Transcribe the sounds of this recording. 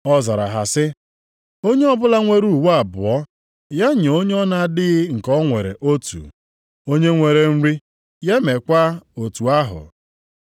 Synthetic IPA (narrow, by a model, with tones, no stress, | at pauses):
ɔ˦za˨ɾa̰˨ɦa˨sɪ˦ | o˦ɲe˦ɔ˦bʊ˦la˦ŋʷe˦ɾu˦˨wa˨bʊ˨ɔ˦ | ja˦ɲe˨o˦ɲe˦ɔ˦na˦dɪ˦ŋ̩˨kɔ˦ŋʷe˨ɾḛ˨ʔo˦tṵ˨ | o˦ɲe˦ŋʷe˨ɾe˨n̩˦ɾi˦ | ja˦me˨kʷa˦o˨tu˨a˦ɦʊ̰˨